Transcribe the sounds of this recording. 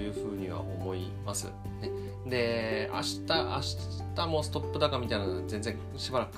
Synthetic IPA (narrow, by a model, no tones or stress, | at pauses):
jɯ̟ːɸɯ̟ːɲ̟iβ̞a̰ʔo̞̰mo̞i | masɨ̰ | ne̞ | d̪e̞a̰ɕi̥t̪aʔa̰ɕi̥ | t̪amo̞ːsɨ̥t̪o̞pːɯ̟d̪akamʲit̪ainanoze̞nzẽ̞ŋ | ɕibaɾakɯ̥